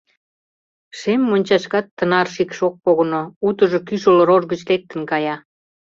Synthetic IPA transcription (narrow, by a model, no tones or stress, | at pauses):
ʃemːonʲt͡ɕɑʃkɑt̪ːənɑrʃikʃok̚poɣonout̪əʒokyʃoloɾorɣət͡ɕlek̚t̪ə̆nkɑjɑ